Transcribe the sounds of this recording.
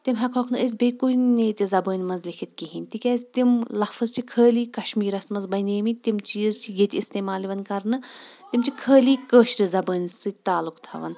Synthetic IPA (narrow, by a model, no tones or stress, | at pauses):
t̪imɦɐkʰokʰnɨəs̬ʲbeːkunneːt̪izɐbəːnʲmɐnzlʲikʰit̪kiɦinʲt̪ikʲaːzʲt̪imlɐfɐzt͡ʃʰikʰəːliːkɐʃmiːɾɐsmɐnzbɐneːmit̪imt͡ʃizt͡ʃʰijet̪ʰʲist̪eːmaːliʋɐnkɐɾnɨt̪imt͡ʃʰikʰəːliːkəːʃɾɨzɐbəːnʲsɨt̪aːlukt̪ʰɐ̰ʋɐ̰n